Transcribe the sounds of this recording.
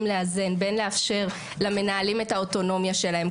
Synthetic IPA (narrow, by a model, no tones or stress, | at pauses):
mleaze̞nbe̞nleafʃe̞ʁ | lame̞naːlimetao̞to̞no̞mjaʃelahe̞m